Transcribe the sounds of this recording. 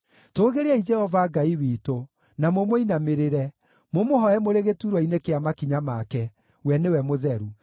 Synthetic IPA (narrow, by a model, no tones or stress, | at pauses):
toːɣeɾeaid͡ʒɛhɔvaɡaiwiːto | namomoinameɾeɾɛ | momoɦɔɛmoɾeɣetuɾwɔinekeamakiɲamakɛ | wɛnewɛmoðɛɾu